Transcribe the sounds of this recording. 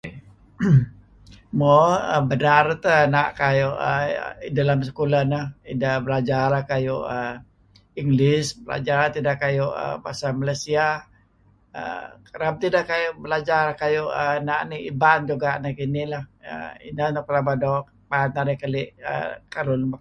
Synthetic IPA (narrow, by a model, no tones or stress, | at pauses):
mɔəbənart̪ənaʔkajoʔə̰idalams̬əkulanahidabəlad͡ʒaɾahkajuʔə | iŋɡlɪsbəla̰d͡ʒaɾt̪idakːajʊʔə̰pasamalasia | ə̰kəɾap̚t̪idakːajʊʔbəlad͡ʒaɾakajuʔənaʔniḭband͡ʒuɡaʔnikinilahə̰ḭnənɔkəlabadɔk̚ | banaɾikəlɪʔə̰kalʊnba